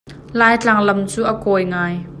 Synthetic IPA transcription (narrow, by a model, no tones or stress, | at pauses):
laːjt͡ɬaŋlɐmt͡suːʔɐkɔjŋaːj